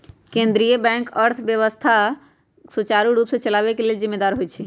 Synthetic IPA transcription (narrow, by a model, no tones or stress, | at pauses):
kẽnd̪ɾijəbɛ̃ŋkəɾt̪ʰbjəβəst̪ʰa | sut͡ʃaɾuɾupsẽt͡ʃəlaβekelelzimːed̪aɾɦot͡ʃʰɛ